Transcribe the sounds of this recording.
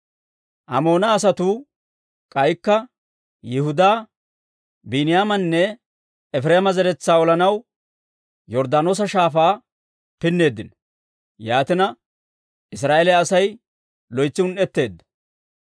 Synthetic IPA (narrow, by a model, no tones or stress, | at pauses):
ʔɐ̰mo̞ːnɐːs̬ɐt̪uː | kʼɐjkːɐ | jɪhʊd̪aː | bɪnɪjaːmɐnːɛ | ɛfɾeːmɐzɛɾɛt͡sːaːɔlɐnɐw | jɔɾd̪aːno̞ːs̬ɐʃaːfaː | pɪnːe̞ːd̪ːɪn | jaːt̪ɪnɐ | ʔɪs̬ɾaːelɛɐsɐj | lɔjt͡sːɪʊnʔɛt̪ːe̞ːd̪ːɐ̥